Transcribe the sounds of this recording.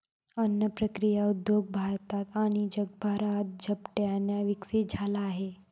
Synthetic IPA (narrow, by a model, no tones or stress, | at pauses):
ənːəpɾəkɾijaud̪joɡ̚bʱaɾt̪at̪aɽ̃id͡ʒəɡ̚bʱaɾat̪̚d͡ʒʱəpʈeanjaʋiksed͡zʱalaːɦe